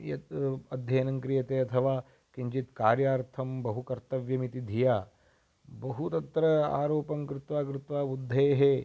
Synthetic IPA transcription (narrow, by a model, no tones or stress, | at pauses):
jɐt̪ɐd̪ʱjɐːnɐŋkɾijɐt̪eːɐt̪ʰɐʋaː | kiɲt͡ʃit̪kaːɾjaːɾt̪ʰɐmbɐɦukɐɾt̪ɐʋjɐmit̪id̪ʱijaː | bɐɦut̪ɐt̪ɾɐa̰ːɾoːpɐmkɾɪt̪ʋaːkɾɪt̪ʋaːbud̪ʱːɐjɐɦeː